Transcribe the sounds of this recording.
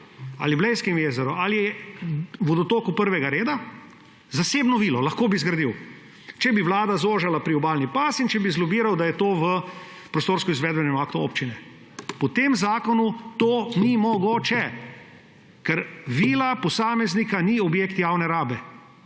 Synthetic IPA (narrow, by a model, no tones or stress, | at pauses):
a̰liblɛjskɛmjeːzɛɾɔalijɛ | ʋɔd̪ɔt̪oːkupəɾʋɛɡaɾeːd̪a | zaseːbnɔʋiːlɔlɐxkoːbizɡɾad̪iw | t͡ʃɛbiʋlaːd̪azoːʒalapɾiɔbaːlnipaːsint͡ʃɛbizlɔbiːɾawd̪ajɛt̪oːʋə | pɾɔst̪oːɾskɔizʋɛːd̪bɛnɛmakt̪uoːpt͡ʃinɛ | pɔt̪emzaːkɔnut̪oːnimɔɡoːt͡ʃɛ | kɛɾʋiːlapɔsaːmɛznikaniɔbjeːkt̪jawnɛɾaːbɛ